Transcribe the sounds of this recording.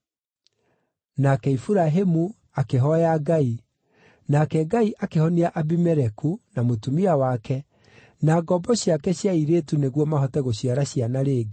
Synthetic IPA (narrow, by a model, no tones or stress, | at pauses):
nakɛifuɾaɦemu | akeɦɔjaɡai | nakɛɡaiʔakehɔniaʔabimɛɾɛkunamotumiawakɛ | naɡɔbɔɕjakɛɕjaiɾeːtuneɣwɔmaɦɔtɛɣoɕiaɾaɕianaɾeːɡe